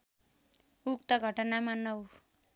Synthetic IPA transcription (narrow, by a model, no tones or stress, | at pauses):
ukt̪ʌɡʱʌʈʌnamanːʌu